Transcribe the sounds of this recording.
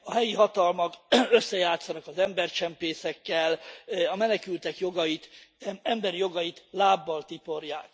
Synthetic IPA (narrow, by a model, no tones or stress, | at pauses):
ɒɦɛjiɦɒt̪ɒlmɒkø̞sːɛjaːt̪sːɒnɒkɒzɛmbɛrt͡ʃɛmpeːsɛkːɛlɒmɛnɛkylt̪ɛkjo̞ɡɒjit̪ɛmbɛɾijo̞ɡɒjit̪laːbːɒlt̪ipo̞rjaːk